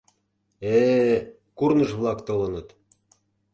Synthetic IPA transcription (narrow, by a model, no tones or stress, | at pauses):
e | kurnɤʒβlˠɑkt̪olɤ̆nɤ̆t̪